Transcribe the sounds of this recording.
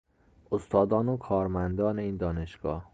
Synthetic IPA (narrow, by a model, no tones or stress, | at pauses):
ost̪ʰɒːd̪ɒːnokʰɒːɾmænd̪ɒːneiːnd̪ɒːne̞ʃɡ̥ɒ̰ːh